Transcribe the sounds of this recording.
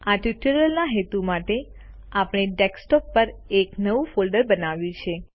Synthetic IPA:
aʈjuʈəɾəlnaɦet̪umaʈe | apɽ̃eɖeksʈɔpːəɾeknəʋũfolɖəɾbənaʋjũt͡ʃʰe

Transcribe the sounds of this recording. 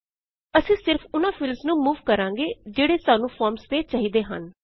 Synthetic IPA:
əsĩːsɪɾpʰʊnãːpʰɪlmsnũːmuːʋkəɾãːŋɡeːd͡ʒeːɽeːsaːnũːpʰɔːɾmst̪eːt͡ʃaːɦiːd̪eːɦə̰n

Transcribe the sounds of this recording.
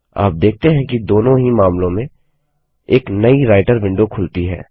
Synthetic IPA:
a̰ːp̚d̪eːk̚ʰt̪eɦɛ̃kid̪oːnõɦimaːmlõmẽ | eːknɐiɾaːɪʈəɾʋɪ̃ɳɖokʰʊlt̪iɦɛ̰ː

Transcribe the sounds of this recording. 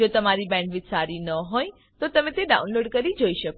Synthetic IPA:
ot̪əmaɾibɛ̃ɳɖʋɪtsaɾinəɦoj | t̪ot̪əmẽt̪eɖa̰unloɖkəɾid͡ʒoiʃək

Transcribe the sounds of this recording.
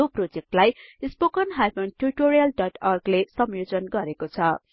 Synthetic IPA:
oprod͡zek̚ʈlajispokʌnɦajpʌnʈuriʈoɾijʌlɖʌʈʌrɡlesʌmjod͡zʌnɡʌɾekot͡sʰʌ

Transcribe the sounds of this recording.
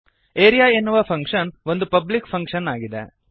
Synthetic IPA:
eːɾijaːenːuʋɐpʰɐŋkʂɐnʋo̞nd̪upɐblikpʰɐŋkʂɐnaːɡid̪ḛ

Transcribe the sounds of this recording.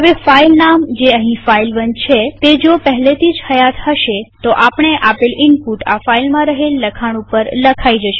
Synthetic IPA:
ɦəʋefailnamd͡ʒeəɦĩfailʋənd͡ʒt͡ʃʰet̪ed͡ʒopəɦlet̪ʰid͡ʒhəjat̪həʃet̪oʔapɳ̃eʔapelɪnpuʈa̰failmãɾəɦelːəkʰaɽ̃upəɾləkʰaid͡ʒəʃe

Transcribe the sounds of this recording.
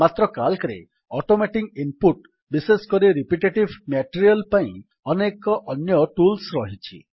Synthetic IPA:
mat̪ɾɔkalkɾḛ | ɔʈomeʈikimpuʈ | biseskɔɾiɾipiʈeʈibʱmaʈiɾiɔlpaḭ̃ | ɔnekɔʔɔnjɔʈulsɾɔɦit͡ʃʰḭ

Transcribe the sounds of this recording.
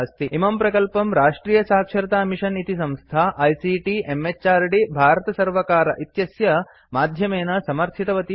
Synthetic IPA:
st̪iimɐmpɾɐkɐlpɐmɾaːʂʈɾiːjɐsaːkʂɐɾɐt̪aːmiʃɐnit̪isɐ̃mst̪ʰaʔɐjsiːʈiʔemet͡ʃt͡ʃaːɾɖibʱaːɾɐt̪ɐsɐɾʋɐkaːɾɐ̰ʔit̪jɐsjɐ | maːd̪ʱjɐmeːnɐsɐmɐɾt̪ʰit̪ɐʋɐt̪i

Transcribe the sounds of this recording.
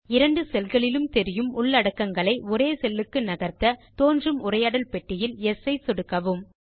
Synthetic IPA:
ɪɾɐɳɖɯsɛlɣɐɭɪlɯmt̪ɛɾɪjɯmʊɭːɐɽɐkːɐŋɡɐɭɐɪɔɾeːsɛlːɯkːɯnɐɣɐɾt̪ɐt̪oːndrɯmʊrɐjaːɽɐlpɛʈːɪjɪlɛsɐɪsɔɽɯkːɐʋɯm

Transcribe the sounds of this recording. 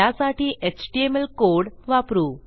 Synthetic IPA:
asaʈʰiːʔet͡ɕʈiemelkoɽʋapɾuː

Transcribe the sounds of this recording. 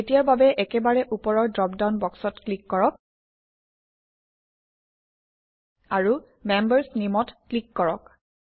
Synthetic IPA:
etijaɹbabɛʔɛkɛbaɹɛʔupɔɹɔɹdɹɔpdaʊnbɔksɔtklikːɔɹɔk̚ | aɹu | mɛmbəɹsnimɔtklikːɔɹɔk̚

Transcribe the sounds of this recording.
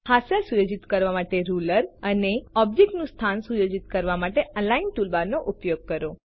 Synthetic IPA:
hasəlsujod͡ʒit̪kəɾʋamaʈeɾuləɾəneɔbd͡ʒek̚ʈnũst̪ʰansujod͡ʒit̪kəɾʋamaʈeʔəlainʈulbaɾnoʔupjoɡ̚kəɾo

